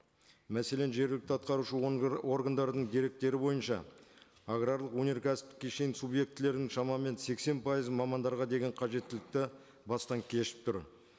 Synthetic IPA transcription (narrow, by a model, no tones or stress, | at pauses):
mæse̞le̞nʒe̞ɾɡʲlɪk̚t̪ɑt̪qɑɾuʃəo̞rɡand̪ɑɾd̪əɴd̪eɾe̞k̚t̪e̞ɾɪbo̞jənʃɑ̰ | aɡrɑɾlˠəqwɵnʲe̞ɾkʰasɪ̥p̚t̪ɪ̥kʲːeʃe̞jɪnsubje̞k̚t̪ɪle̞ɾd̪ɪŋʃɑmɑme̞nse̞kse̞npʰɑjəzmɑmɑnd̪ɑɾʁɑd̪e̞ɡʲe̞ɴqʰɑʒe̞t̪ːɪlɪk̚t̪ɪ | bɑst̪ɑŋkʲʰe̞ʃɪ̥p̚t̪ʰʊɾ